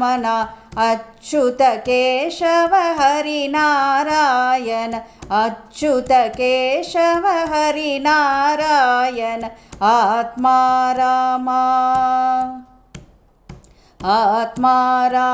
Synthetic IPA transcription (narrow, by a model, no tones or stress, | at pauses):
ɐnaɐt͡ʃut̪ɐkeːʃɐʋɐɦɐɾinaːɾaːjɐnɐɐt͡ʃut̪ɐkeːʃɐʋɐɦɐɾinaːɾaːjɐnɐat̪maːɾaːma | at̪maːɾaː